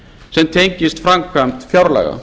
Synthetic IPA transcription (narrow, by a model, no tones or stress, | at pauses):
sɛmt̪ʰejɲcɪst̪fɾamkʰam̥t̪fjawɾlɛ̰ɣa̰